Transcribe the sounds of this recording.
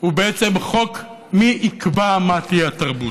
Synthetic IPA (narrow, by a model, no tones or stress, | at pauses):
ubeet͡semχok | miʔːkbamatiataʁbut